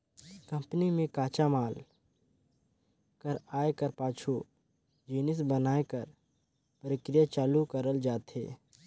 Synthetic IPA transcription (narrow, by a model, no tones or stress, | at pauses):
kɐ̃mpnimẽkaːt͡ʃamaːl | kəɾaːekəɾpaːt͡ʃʰu | d͡ʒiːnɪs̬bənaːekəɾ | pəɾɪkɾɪjat͡ʃaːlukəɾəld͡ʒaːt̪ɦḛː